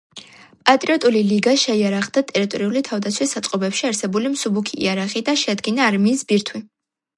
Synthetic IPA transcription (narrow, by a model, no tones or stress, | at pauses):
pʼat̪ʼɾiɔt̪ʼuliliɡaʃɛiaɾaʁd̪at̪ʼɛɾit̪ʼɔɾiulit̪ʰavd̪at̪sʰwisːat̪sʼqʼɔbɛpʃiaɾsɛbulimsubukʰḭːaɾaχid̪aʃɛad̪ɡinaːɾmiːsbiɾt̪ʰwi